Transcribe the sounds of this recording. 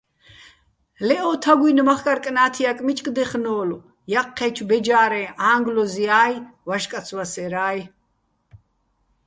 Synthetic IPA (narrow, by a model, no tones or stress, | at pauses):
lɛʔɔːt̪ʰaɡwinmaχkʼaɾkʼnaːt̪ʰiakʼmit͡ʃʼkʼd̪ɛχnɔːlu | jaqʰːɛt͡ʃʰbɛd͡ʒaːɾɛ̃ːaːŋɡlɔziaːjvaʃkʼat̪sʰwasɛɾaːj